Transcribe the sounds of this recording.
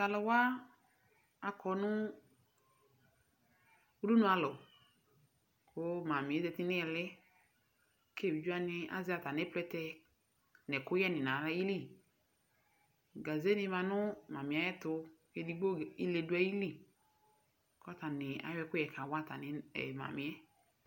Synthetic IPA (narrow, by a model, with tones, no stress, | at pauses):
ka˨lɔ˨wa˦ | a˨kʰɔ˨˦nʊ˦ | u˦ɾu˦nʊ˦a˧lɔ˨ | kʊ˦ma˨mɪ˨˦zɛ˧tɪ˦nɪ˦ɛ˨lɛ˦ | kʰe˦˨i˨d͡ʒu˦a˦nɪ˧a̰˨zɪ˦a˨ta˨nɛ˦plɛ˦tɛ˧ | nɛ˨kʊ˦jɛ˦nɪ˨na˨ɾa˦ji˦li˦˨ | ɡa˨ze˦nɪ̃˦˧˦ma˨nʊ˦ma˨mĩ˨a˨jɛ˦tʊ˧ | ɛ˦di˨˦ɡ͡bo˦˨i˦le˧dʊ˦a˦ji˦li˦˨ | kɔ˦a˦ta˨nɪ˨a̰˨˦wɛ˧kʊ˦jɛ˨kʰã˨wa˦˨ta̰˨nɪ˨˦ɛ̰˨ma̰˨mɪ˨ɛ˦